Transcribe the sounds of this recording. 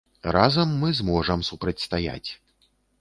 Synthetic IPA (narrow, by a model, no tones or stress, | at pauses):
razɐmːɨzmɔʐɐmsupɾɐt͡sʲst̪aja̰t͡sʲ